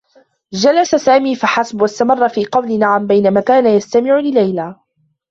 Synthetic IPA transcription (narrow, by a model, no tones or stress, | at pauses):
d͡ʒalasasaːmiːfaħasbwast̪amɑrˤːɑfiːqɑwlɪnaʕambajnamaːkaːnajast̪amɪʕʊlɪlajlaː